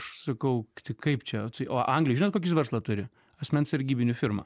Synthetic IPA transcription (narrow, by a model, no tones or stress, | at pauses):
ʃsɐkɐʊt̪ʲɪkɐɪpt͡ʃʲɛt̪ɐɪʔoːʔɐŋɡlʲɪjʒʲɪnoːt̪koːkʲɪsʋʲɛrslˠɐt̪ʊɾʲɪ | ɐsʲmʲɛnsʲɐɾʲɡʲiːbʲɪnʲʊfʲɪrmɐ̰